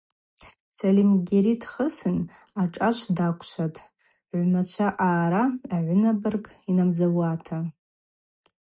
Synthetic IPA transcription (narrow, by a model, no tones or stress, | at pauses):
salimɡʲiɾidχəsɨn | aʈ͡ʂʼaʃʷʰdakʷʰʼʃʷatʰʼ | ʕʷmat͡ʃʷʰaʔaːɾaːʕʷʊnabɨrkʼinamd͡zawatʰa